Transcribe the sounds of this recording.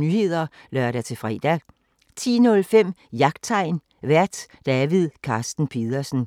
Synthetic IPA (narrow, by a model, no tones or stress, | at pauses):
nyːhe̝ð̰ˠɐ | lɶɐɾ̥æt͡sʰe̝fʁɛ̰ːd̥æ | t͡sʰḭːnɔ̽lfem̰jɑ̈ɡ̥̚d̥̚t͡sʰɑ̈ɪ̰n | ʋæɐ̰d̥d̥æʋið̰ˠkʰɑ̈ːsd̥n̩pʰe̝ðˠɐsn̩